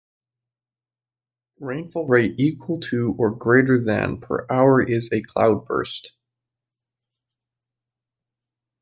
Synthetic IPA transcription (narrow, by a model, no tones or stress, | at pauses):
ɹẽɪ̃nfl̩ˠɹeɪɾikʰwəl̩ˠtʰɨə˞ɡɹeɪɾə˞ðɨ̰̃npʰə̰˞ʔaʊə˞ʔɪzɨkʰl̥a̰ʊd̚bɜ̰˞st